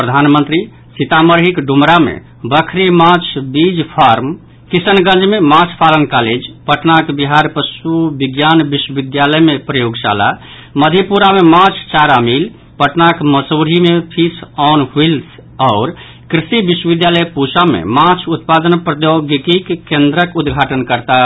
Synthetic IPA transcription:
pɾəd̪ʱanmə̃nt̪ɾi | sit̪aməɾɦikɖumɾamḛ | bəkʰɾimat͡ʃʰbid͡ʒpʰaɾm | kisənɡə̃nd͡ʒmemãt͡ʃʰpʰalənkaled͡ʒpəʈnakbiɦaɾpəsubiɡjanbiswəbid̪jaləjmepɾəjoɡsa̰la̰ | məd̪ʱipuɾamemat͡ʃʰt͡ʃaɾamil | pəʈnakməsoɽ̤ʱimepʰisɔnɦils | ɔʊɾ | kɾisibiswəʋid̪jaləjpusamḛmat͡ʃʰut̪pad̪ənpɾəd̪joɡikikːẽnd̪ɾəkud̪ɡʱaʈənkəɾt̪a

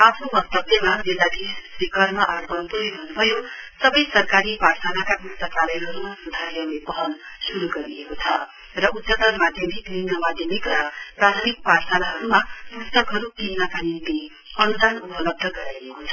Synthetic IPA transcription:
apʰnubʌk̚t̪ʌbemabilːad̪isbikʌrmʌʔʌrpʌnp̪uɦibʱʌnːubʱʌjosʌbʌjsʌrkaɾiparsanakapust̪ʌkalʌjɦʌɾumasud̪ʱaɾjʌlepʌɦʌlsuɾuɡʌɾiekot͡sʰʌ | rʌʔut̪sat̪ʌnmad̪ʱjʌmikninʌmad̪ʱjʌmikrʌprat̪ʰʌmik̚parsanaɦʌɾumapust̪ʌkɦʌɾut̪inapanile | ʌnud̪ʱanupʌlʌb̚d̪ʱʌɡʌɾajekot͡sʰʌ̥

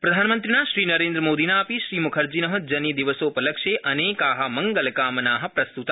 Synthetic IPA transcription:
pɾɐd̪ʱaːnmənt̪ɾinaːʃɾiːnɐɾẽːnd̪ɾəmoːd̪inaːpiʃɾiːmukʰəɾd͡ʒinəɦɐ̆d͡ʒɐnid̪iʋəsoːpəlɐkʃeʔɐneːkaːɦɐmɐŋɡəlkaːmənaːɦɐ̆pɾɐst̪ut̪a

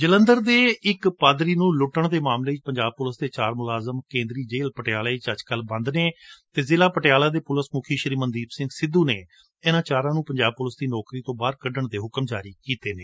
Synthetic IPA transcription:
d͡ʒələ̃nd̪əɾd̪eːɪkpaːd̪ɾiːnũːlʊʈəɳd̪eːmaːmleːɪt͡ʃpəɲd͡ʒaːb̚pʊləsd̪eːt͡ʃaːɾmʊlaːzəmkẽːnd̪ɾiːd͡ʒeːlpəʈɪjaːleːt͡ʃəd͡ʒkəlbə̃nd̪neːt̪eːzɪlaːpəʈɪjaːlaːd̪eːpʊləsmʊkʰiːʃəɾiːmənd̪iːpsɪ̃ŋɡsɪd̪uːneː | enãːt͡ʃaːɾãːnũːpəɲd͡ʒaːb̚pʊləsd̪iːnɔːkɾiːt̪õːbaːɾkəɖəɳd̪eːɦʊkəmd͡ʒaːɾiːkiːt̪eːneː

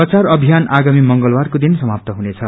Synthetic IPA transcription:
ʌt͡sarʌbʱijanaɡamimʌŋɡʌlbarkod̪insʌmap̚t̪ʌɦunet͡sʰʌ

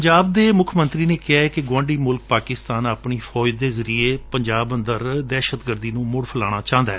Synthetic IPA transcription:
əɲd͡ʒaːb̚d̪eːmʊkʰmə̃nt̪ɾiːneːkɪaːɛkɪɡãːɳɖiːmʊlk̚paːkɪst̪aːnaːpɳiːfʰɔːd͡ʒd̪eːzəɾiːeːpəɲd͡ʒaːbənd̪əɾd̪ɛːʃət̪ɡəɾd̪iːnũːmʊɽfʰəla̰ːɽ̃aːt͡ʃãːnd̪aɦɛ

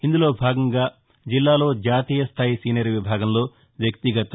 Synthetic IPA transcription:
ind̪ulo̞ːbʱaːɡɐŋɡaː | d͡ʒilːaːlo̞ːd͡ʒaːt̪iːjɐst̪ʰaːjisiːnɐːɾɐʋibʱaːɡɐmlo̞ː | ʋjɐkt̪iɡɐt̪ɐ

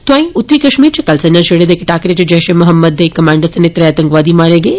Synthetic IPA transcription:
t̪ʊãːĩʊt̪ːɾiːkɐʃmiːɾt͡ʃʰikɐlsɐnjãʃeɽed̪eːkʰeʈaːkɾet͡ʃid͡ʒɛʃemɐɦəmːəd̪ekːɐmaːɳɖəɾsɐnet̪ɾɐɐt̪ɐ̃ŋkʋaːd̪imaːɾẽɡeː

